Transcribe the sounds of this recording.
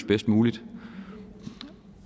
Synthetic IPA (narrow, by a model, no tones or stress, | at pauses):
sb̥esd̥muːlid̥